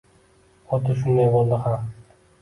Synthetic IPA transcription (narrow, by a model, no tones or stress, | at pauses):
ɒt̪ʰʊʃ̬ʊnd̪ajbolˠd̪ɪham